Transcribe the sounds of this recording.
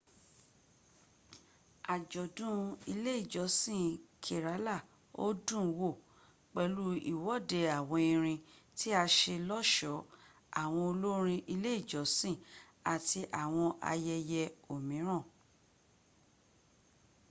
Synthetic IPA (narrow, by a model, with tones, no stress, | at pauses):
a˨d͡ʒɔ˨dũ˦i˧le˦i˦˨d͡ʒɔ˨˦sĩ˦˨kʰe˨ɾa˨˦la˦˨ | o̰˦dũ˦˨˧wo˦˨ | k͡pɛ˧lu˦ḭ˨wɔ˨˦˨de˧a˨w̃ɔ̃˧i˧ɾ̃ĩ˧ti˦a˧ʃe˧lɔ˦ʃɔ˨˦ | a˨w̃ɔ̃˧o˧lo˦ɾ̃ĩ˧ʔi˧le˦i˦˨d͡ʒɔ˨˦sĩ˦˨ | a˨ti˧ʔa˨w̃ɔ̃˧ʔa̰˧jɛ˧jɛ˧o˨mĩ˨˦ɾ̃ã˦˨